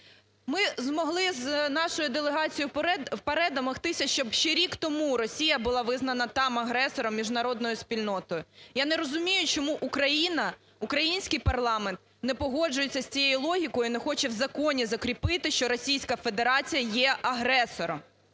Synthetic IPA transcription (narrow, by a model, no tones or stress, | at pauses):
mɪzmɔɦlˠɪznɑʃɔjʊd̪elˠeɦɑt͡sʲijʊwpeɾɛd̪ɐmɔxt̪ɪsʲɐʃt͡ʃɔbʃt͡ʃɛɾʲikt̪ɔmuɾɔsʲijɐbʊlˠɑʋɪznɐnɐt̪ɑmɐɦɾɛsɔɾɔmːʲiʒnɐɾɔd̪nɔjʊsʲpʲilʲnɔt̪ɔjʊjanɛɾɔzʊmʲijʊt͡ʃɔmuʔukɾɐjinɐ | ukɾɐjinʲsʲkɪjpɐrlˠɑment̪ | nɛpɔɦɔd͡ʒʊjet͡sʲːɐsʲt͡sʲijejʊlˠɔɦʲikɔjinɛxɔt͡ʃɛwzɐkɔnʲizɐkɾʲipɪt̪ɪʃt͡ʃɔɾɔsʲijsʲkɐfe̞d̪eɾɑt͡sʲijɐjɛʔɐɦɾɛsɔɾɔm